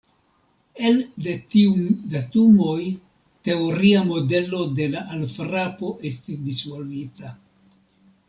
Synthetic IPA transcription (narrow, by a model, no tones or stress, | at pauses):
e̞lde̞tiudatumo̞j | te̞oɾiamo̞de̞lo̞de̞laʔalfɾapo̞ʔe̞stisdisvo̞lvita